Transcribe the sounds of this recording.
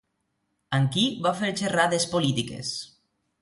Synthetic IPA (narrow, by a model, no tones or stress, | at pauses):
əŋkiβafeɾt͡ʃeraðespolit̪ikḛs